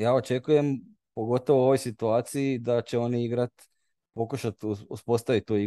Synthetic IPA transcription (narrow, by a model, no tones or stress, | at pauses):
jaːo̞t͡ʃe̞kuje̞m | po̞ɡo̞t̪o̞ʋoo̞ʋo̞jsit̪uaːt̪siid̪at͡ɕe̞o̞niiɡɾat̪ | po̞kuʃat̪uuspo̞st̪aʋit̪ːui